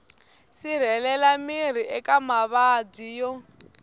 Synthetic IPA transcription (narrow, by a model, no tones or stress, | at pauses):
sir̤ɛlɛlamiɾ̤iʔɛkamaβab͡ʐijɔ